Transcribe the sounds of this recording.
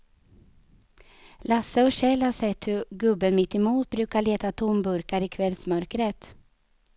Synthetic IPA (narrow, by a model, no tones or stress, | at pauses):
lasːəɔɕɛlhaʂɛt̪hɵɡɵbːənmɪt̪ːɛmuːt̪̚bɾʉ̟ːkaɭeːt̪at̪ʰʊmbɵɾkaɾɪkʰvɛlsmœɾkɾət̪